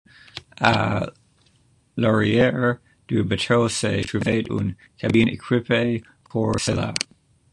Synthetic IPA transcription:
ʔa̰ | lɔɹiɛɹ | d̥uɹbətʰoʊsetʰɹuveɪtṵn | kʰabinɪ̰kʰɹɪpʰe | pʰɔɹsɛla̰

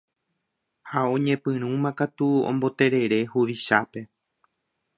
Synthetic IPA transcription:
haõ̞ɲẽ̞pɨ̃ɾ̃ũmãkat̪uõ̰mbo̞t̪e̞ɾe̞ɾe̞huʋiʃape̞

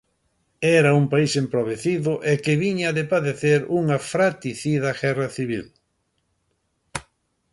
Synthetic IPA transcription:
ɛɾɐumpaisempɾoβeθiðʊʔekɪβiɲaðepaðeθeɾuŋɐfɾat̪iθiðɐɣɛrɐθiβil

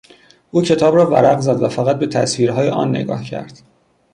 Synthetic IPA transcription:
ʔuːcʰe̞t̪ʰɒːbrɒːvæ̰ɾæɣzæd̪væfæɣæt̪̚be̞t̪ʰæ̰sviːɾɦɒːjeʔɒ̰ːnːe̞̰ɡɒ̰ːhcʰæ̰ɾd̪̥

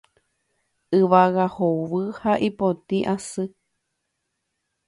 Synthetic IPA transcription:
ɨʋaɣahoʋɨhaʔipot̪iʔasɨ

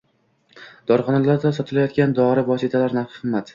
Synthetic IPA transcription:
d̪̥ɒɾχɒnalaɾd̪asɒt̪ʰɪlajɒt̪̚kʲand̪ɒɾɪvɒsit̪ʰalaɾnafɨmːat̪

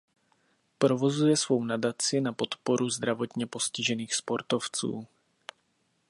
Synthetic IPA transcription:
pɾovozujɛsvownadat͡sɪnapo̞t̪poɾuzd̪ɾavot̪ɲɛpo̞scɪʒɛniːxspo̞ɾt̪oft͡sṵː

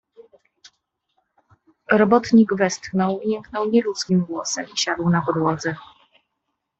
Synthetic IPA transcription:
ɾɔbɔt̪ɲiɡvɛst̪xnɔwiɲɛŋknɔwɲɛlut̪skʲimɡwɔsɛmiɕad̪wnapɔd̪wɔd̪zɛ

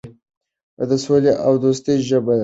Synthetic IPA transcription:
d̪əsoleʔawd̪ost̪əjʒəba

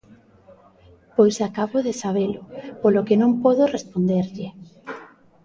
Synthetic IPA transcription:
pojsakaβoðesaβ̞elʊpolokenõmpoðʊrespond̪eɾʎɪ

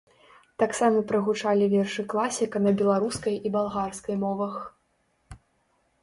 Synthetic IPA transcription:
t̪aksamɐpɾɐɣut͡ʂalʲivʲɛrʂɨklˠasʲikɐnɐbʲɛlˠaɾuskɐjibalˠɣarskɐjmɔvɐx

